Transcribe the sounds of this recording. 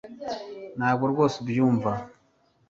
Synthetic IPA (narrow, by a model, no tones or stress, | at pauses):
naːɡʷoɾɡosbjumva